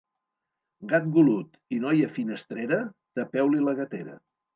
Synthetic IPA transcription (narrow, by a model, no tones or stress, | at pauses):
ɡat̪̚ɡulut̪ | inɔjəfinəst̪ɾeɾət̪əpɛwliləɣət̪eɾə̰